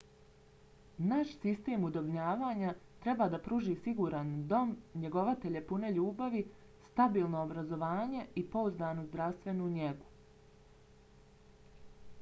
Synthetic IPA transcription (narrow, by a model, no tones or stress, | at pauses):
naʃsist̪e̞ːmud̪o̞bɲaːʋaːɲat̪ɾe̞baːd̪apɾuːʒiːsiɡuːɾand̪o̞mɲe̞ɡo̞ʋat̪eʎe̞pune̞ʎuːbaʋi | st̪abiːlˠno̞ːbɾazo̞ʋaːɲe̞ipo̞uzd̪aːnozd̪ɾaʋst̪ʋe̞nuɲe̞ɡu̥